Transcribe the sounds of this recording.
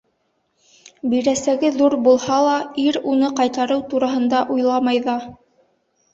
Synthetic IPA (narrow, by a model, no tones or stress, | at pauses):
biɾæsæɡɘðuɾbulˠhɑlˠɑiɾunɤqɑjt̪ɑɾɤwt̪uɾɑɦɤ̆nd̪ɑʔujlˠɑmɑjðɑ